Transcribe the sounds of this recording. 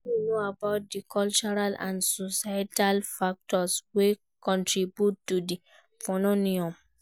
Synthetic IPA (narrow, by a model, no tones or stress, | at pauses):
inoabaʊt̚dikʰɔlt͡ʃɔɹalã̰nsosatalfak̚tɔswe | kɔ̃ntɹibjutːudi | fɔnoniɔ̃m